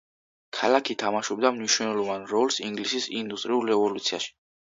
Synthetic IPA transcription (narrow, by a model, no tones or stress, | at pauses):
kʰalakʰit̪ʰamaʃub̚d̪amniʃw̪ɛlˠɔvanɾɔlˠsiŋɡlisisind̪ust̪ʼɾiulɾɛvɔlut̪sʰia̰ʃi̥